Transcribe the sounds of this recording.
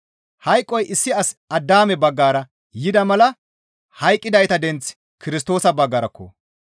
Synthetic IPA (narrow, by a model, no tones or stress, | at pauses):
hɐjkʼːɔjʔɪsːɪɐsɐd̪ːaːmɛbɐɡːaːɾɐ | jɪd̪ɐmɐlɐ | hɐjkʼːɪd̪ɐjt̪ɐd̪ɛnt͡s | kɪɾɪs̬t̪o̞ːsɐbɐɡːaːɾɐkːo̰